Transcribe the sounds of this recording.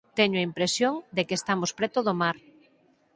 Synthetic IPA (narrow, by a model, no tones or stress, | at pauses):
t̪ɛɲoɐimpɾesjoŋd̪ekeːst̪amospɾɛt̪oðomaɾ